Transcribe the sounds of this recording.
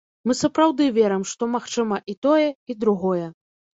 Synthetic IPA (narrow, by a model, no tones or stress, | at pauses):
mɨsɐpɾawd̪ɨvʲɛɾɨmʂt̪ɔmaxt͡ʂɨmɐʔit̪ɔjɛid̪ɾuɣɔjɛ